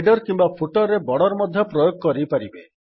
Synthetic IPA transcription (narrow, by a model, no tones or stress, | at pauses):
ɖɔɾkimbapʰuʈɔɾːebɔɽɔɾmɔd̪ʱjɔpɾɔjoɡ̚kɔɾipaɾibe